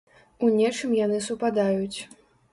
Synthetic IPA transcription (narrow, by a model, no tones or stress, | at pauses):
unʲɛt͡ʂɨmjanɨsupad̪ajut͡sʲ